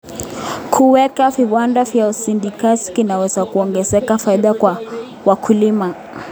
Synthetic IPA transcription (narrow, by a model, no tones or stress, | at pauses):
kʰuwɛkaviwandavjausindikasi̥kinawɛzakuɔŋɡɛzɛkafaiɗakwa | wakʰulima